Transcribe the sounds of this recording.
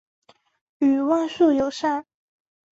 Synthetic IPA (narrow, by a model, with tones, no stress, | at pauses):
y˨˩wa˥˧nsu˥˩jo˨˩˦ʊʂa˥˩